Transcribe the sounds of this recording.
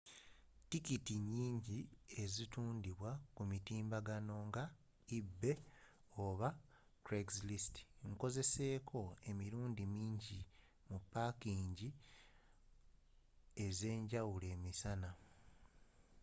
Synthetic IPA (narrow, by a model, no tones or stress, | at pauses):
tikitiɲːiːɲɟie̞zituːndiβwakumitiːmbaɡano̞ŋɡa | ibːe̞ | oβa | tɾeɡzlisti̥ŋko̞ze̞se̞ːkʰo̞e̞miɾuːndimiːɲɟi | mupːakiːɲɟi | e̞ze̞ːɲɟawule̞ːmisana